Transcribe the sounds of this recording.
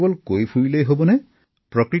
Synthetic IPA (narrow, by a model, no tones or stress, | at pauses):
bɔlkojpʰuɹilejɦobɔnɛ | pɹɔkɹi